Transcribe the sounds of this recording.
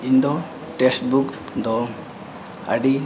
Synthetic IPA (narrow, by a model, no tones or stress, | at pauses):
ind̪ɔ | ʈesʈbuk | d̪ɔ | a̰ɖi